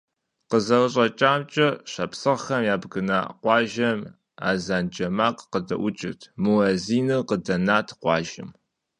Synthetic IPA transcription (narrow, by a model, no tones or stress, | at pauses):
qəzɐwɨɕʼɐt͡ʃʼaːmt͡ʃʼɐɕɐpsɨʁxɐmjaːbɡɨna̰ʔqʷɑːʒɐm | a̰ːzaːnd͡ʒɐmaːqʼqədɐ̰ʔʷʊt͡ʃʼɪtʰmuɐziːnɨqədɐnaːtʰqʷɑːʒɪ̰m